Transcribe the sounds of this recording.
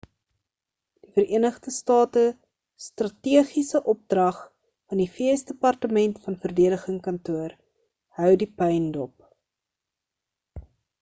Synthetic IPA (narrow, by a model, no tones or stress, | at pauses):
d̥ifəɾiənəχdəstɑːtə | strɐtiəχisəʔɔp̚drɐχ | fɐndifiəsdəpɐrtəmɛntfɐnfərdeədəχəŋkɐntuər | hœwdipɛjndɔp̚